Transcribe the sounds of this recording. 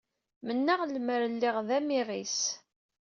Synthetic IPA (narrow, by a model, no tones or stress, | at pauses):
mənːaʁlməɾəlːiʁðæmiris